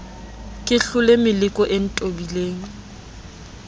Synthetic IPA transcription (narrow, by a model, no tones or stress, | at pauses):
kʼɪɬʊlɪmɪlɪkʼɔʔɪn̩tʼobileːŋ̩